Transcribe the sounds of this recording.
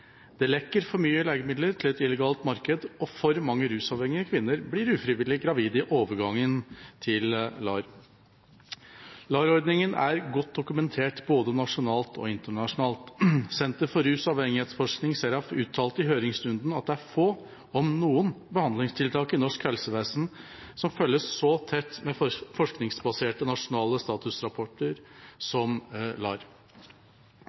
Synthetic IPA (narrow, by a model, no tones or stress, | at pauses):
d̪̥ɛlɛkːəɾfɔɾmyːəleːɡəmɪd̪ləɾʈ̪ʰɪlɛt̪ɪləɡɑːlt̪mɑɾkəd̪ɔfɔɾmɑŋːəɾʉːsɑːʋhɛŋɪəkʰʋɪnːəɾblɪɾʉːfɾɪʋɪlɪɡɾɑʋiːd̪ɪʔoːʋəɾɡɑŋːənt̪ʰɪllɑːɾ | lɑːɾɔɾɖ̪nɪŋənæ̰ɾɡɔt̪̚d̪ʊkʉmɛnt̪ʰeːʈboːd̪ənɑʂʊnɑːlt̪ʰɔ̰ɪnt̪əɳɑʂʊnɑːlt̪sɛnt̪əɾfɔɾʉːsɑːʋhɛŋɪheːt̪sfɔʂknɪŋseːɾɑʋʉːt̪ʰːɑːlt̪ɪɦøːɾɪŋsɾʉnd̪n̩ɑt̪̚d̪ɛæɾfoː | ɔmnuːən | bəhɑnd̪lɪŋst̪ʰɪlt̪ʰɑːkɪnɔʂkhɛlsəʋeːsn | sɔmfœlːəsːɔt̪ʰɛt̪ːmɛfɔʂknɪŋsbɑseːʈənɑʂʊnɑːləst̪ɑːt̪ʉsɾɑpʰɔʈːəɾsɔmlɑ̰ːɾ